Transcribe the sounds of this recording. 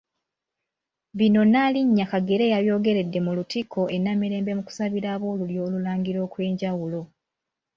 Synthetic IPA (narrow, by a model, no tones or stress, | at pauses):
βino̞naliɲːakaɡe̞ɾe̞jaβjo̞ːɡe̞ɾe̞dːe̞mulutikʰo̞ʔe̞namiɾe̞ːmbe̞muku̥saβiɾaːβo̞ːluljo̞ːlulaːŋɡiɾo̞ːkwe̞ːɲɟawulo̞